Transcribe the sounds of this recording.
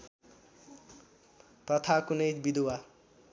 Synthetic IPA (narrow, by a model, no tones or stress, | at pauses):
t̪ʌt̪ʰakunejbid̪uwa